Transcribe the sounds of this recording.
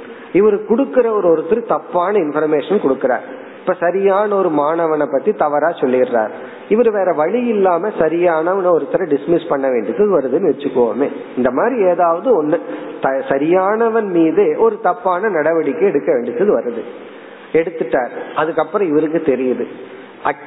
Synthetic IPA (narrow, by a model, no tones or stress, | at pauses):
ɪʋɐɾɯkʊɽɯkːɪɾɐɔɾɔɾɯt̪ːɪɾɯt̪ɐpːaːnɐɪnfɐɾmeːʂɐnkɔɽɯkːɪɾa̰ːɾ | ɪpːoːsɐɾɪjaːnɐɔɾɯmaːnɐʋɐnɐpːɐt̪ːit̪ɐʋɐɾaːsɔlːɪɪnra̰ːɾ | ɪʋɐɾɯʋeːɾɐʋɐɻɪjɪlːaːmɐsɐɾɪjaːnɐʋɐnɐɔɾɯt̪ːɪɾɐɖɪsmɪspɐɳːɐʋeːɳɖɪt̪ːɐðɯʋɐɾɐðɯnɯʋɛt͡ʃːɯkːɯʋo̰ːmeːɪnd̪ɐmaːd̪ɾieːðaːʋɐðɯɔnːɯt̪ɐsɐɾɪjaːnɐʋɐnmiːðeːʔɔɾɯt̪ɐpːaːnɐnɐɽɐʋɐɽɪkːɯɛɽɯkːɐʋeːɳɖɪt̪ːɐðɯʋɐɾɐðɯ | ɛɽɯt̪ːɯʈːaːɾɐðɯkːɐpːɯɾɔ̃ɪʋɐɾɯkːɯt̪ɛɾɪjɐðɯ | ɐ